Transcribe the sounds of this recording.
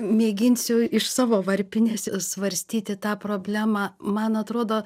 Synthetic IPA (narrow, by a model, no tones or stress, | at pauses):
mʲeːɡʲɪnʲsʲʊɪʃsɑːʋoːʋɐɾʲpʲɪnʲeːsʲsʋɐɾʲsʲt̪ʲiːt̪ʲɪt̪ɑːpɾoːbʲlʲæːmɑːmɐnɐt̪ɾoːd̪oː